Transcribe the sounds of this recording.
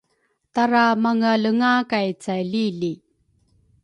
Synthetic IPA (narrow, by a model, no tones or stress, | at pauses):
taɾamaŋaləŋakajt͡sajliɮi